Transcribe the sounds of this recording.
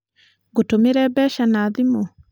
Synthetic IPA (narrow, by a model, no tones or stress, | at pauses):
ɡutumiɾɛbɛʃanaðimu